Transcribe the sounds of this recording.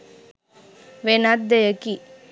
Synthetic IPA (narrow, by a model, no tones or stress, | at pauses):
ʋenat̪̚d̪ejɐki